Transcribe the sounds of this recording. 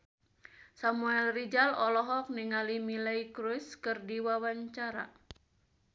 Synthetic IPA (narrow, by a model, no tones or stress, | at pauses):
samuɛlrid͡ʒalɔlɔɦɔk̚niŋalimilaikɾuskɨrdiwawaɲt͡ʃaɾa̰